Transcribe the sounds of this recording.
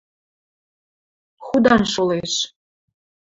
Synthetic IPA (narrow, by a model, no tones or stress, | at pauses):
xud̪ɑnʃoleʃ